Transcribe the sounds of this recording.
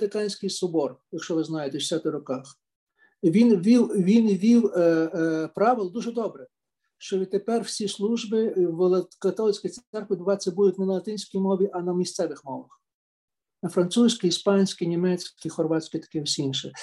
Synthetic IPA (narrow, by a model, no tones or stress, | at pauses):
ɾɪkɑnʲsʲkɪjsʊbɔrjɐkʃt͡ʃɔʋɪznɑjet̪ɛʃɪsʲɑt̪ɪɾɔkɑx | ʋʲinʋʲiwʋʲinʋʲiw | pɾɑʋɪlˠd̪uʒɛd̪ɔbɾɛ | ʃt͡ʃɔʋʲid̪̚t̪epɛrw̥sʲislˠuʒbɪʋlˠkɐt̪ɔlˠɪt͡sʲkʲej̪sɛrkʋʲid̪bʊʋɑt͡sʲːɛbud̪ʊtʲnɪnɐlˠɐt̪ɪnʲsʲkɔjmɔʋʲiʔɐnɐmʲist̪sɛʋɪxmɔʋɐx | nɐfɾɐnt̪susʲkiispɑnʲsʲkɪnʲimɛt͡sʲkkʲixɔrʋɑt͡ssʲkʲɪt̪ɐ̥kɪɔsʲiinʃɛ